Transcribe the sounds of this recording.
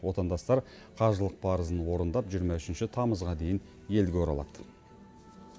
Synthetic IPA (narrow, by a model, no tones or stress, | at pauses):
wo̞t̪ɑnd̪ɑst̪ɑɾ | qʰɑʒəlˠəq̚pʰɑɾəzənwo̞ɾənd̪ɑpʒijəɾmɑʏʃɪnʃɪt̪ʰɑməzʁɑd̪e̞jɪn | je̞lɡʲewoɾɑ̰lˠɑd̪̥